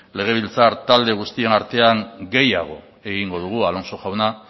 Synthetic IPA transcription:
le̞ɣ̞e̞β̞ilt͡saɾt̪ald̪e̞ɣ̞ust̪ie̞naɾt̪e̞aŋɡe̞jaɣ̞o̞̰ | e̞ɣiŋɡo̞ð̞uɣ̞ualo̞nso̞ʝawna

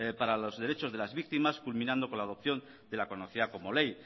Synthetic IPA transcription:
paɾalo̞zðe̞ɾe̞t͡ʃo̞zðe̞lazβik̚t̪imaskulmĩnãnd̪o̞ko̞nlað̞o̞p̚θjo̞n | d̪e̞lakonoθiðako̞mo̞le̞j

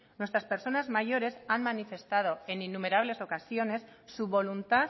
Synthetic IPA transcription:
nwet̪ɾaspe̞ɾso̞nazmaʝo̞ɾe̞sanmanife̞st̪að̞o̞e̞ninːume̞ɾaβ̞le̞so̞kasjo̞ne̞sːuβo̞lunt̪a

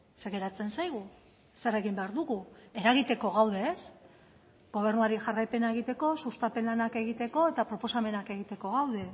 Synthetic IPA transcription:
se̞ɣe̞ɾat͡se̞nsajɣu | sere̞ɣimbe̞aɾðuɣueɾaɣit̪e̞ko̞ɣawð̞e̞ːs | ɡo̞β̞e̞ɾrnuaɾiʝarajpe̞naeɣ̞it̪e̞ko̞sust̪ape̞nlanake̞ɣit̪e̞ko̞e̞t̪apɾo̞po̞same̞nake̞ɣ̞it̪e̞ko̞ɣawð̞e̞

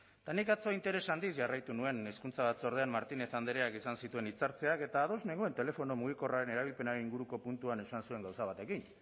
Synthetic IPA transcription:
t̪anikat͡so̞int̪e̞ɾe̞sand̪isʝarajt̪unue̞neskunt͡saβ̞att͡so̞ɾð̞e̞ammaɾt̪ine̞θand̪eɾeakisansit̪ue̞nit͡saɾt͡se̞ake̞t̪aːðo̞zne̞ŋɡoe̞nt̪e̞le̞fo̞no̞muɣ̞iko̞raɾe̞ne̞ɾaβ̞ilpe̞naɾeniŋɡuɾuko̞punt̪uane̞sansue̞ŋɡawsaβat̪e̞kin

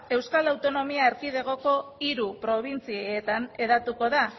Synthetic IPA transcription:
e̞wskalawt̪o̞no̞miaeɾkið̞e̞ɣ̞o̞ko̞iɾupɾo̞β̞int͡sieːt̪ane̞ðat̪uko̞ða

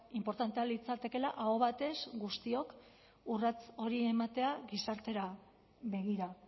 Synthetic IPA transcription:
impo̞ɾt̪ant̪e̞alit͡sat̪e̞ke̞laʔaoβat̪e̞sɡust̪io̞k | urat͡so̞ɾie̞mat̪e̞aɡisaɾt̪e̞ɾa | βe̞ɣiɾa

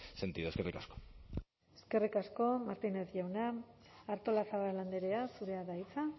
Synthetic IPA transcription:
se̞nt̪iðoeskerikasko̥ | e̞ske̞rikasko̞maɾt̪ine̞θʝawnaː | ɾt̪o̞lasaβaɾland̪eɾeasuɾe̞aðait͡sa

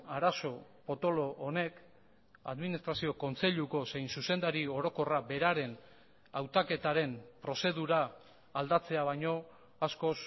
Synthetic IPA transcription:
aɾaso̞po̞t̪o̞lo̞ʔːne̞k | a̰ðminist̪ɾasio̞ko̞nt͡se̞ʎuko̞se̞jnsuse̞nd̪aɾio̞ɾo̞ko̞rabe̞ɾaɾe̞n | awt̪ake̞t̪aɾe̞mpɾo̞se̞ðuɾaː | ld̪at͡se̞aβajɲo̞ | asko̞s

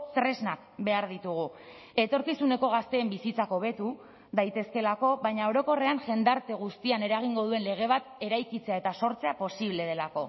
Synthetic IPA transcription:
t̪ɾe̞znak̚be̞aɾðit̪uɣ̞u | e̞t̪o̞ɾkisune̞ko̞ɣ̞ast̪e̞ːmbisit͡sako̞β̞e̞t̪u | ðajt̪e̞ske̞lako̞βajɲao̞ɾo̞ko̞re̞aŋʝe̞nd̪aɾt̪e̞ɣ̞ust̪iane̞ɾaɣ̞iŋɡo̞ð̞ue̞nle̞ɣ̞e̞β̞at̪e̞ɾajkit͡se̞ae̞t̪aso̞ɾt͡se̞apo̞siβ̞le̞ð̞e̞lako̞

